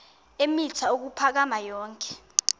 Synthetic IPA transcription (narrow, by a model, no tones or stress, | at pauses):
emitʰauk̬upʰak̬amajɔːŋkʰʼɛ̥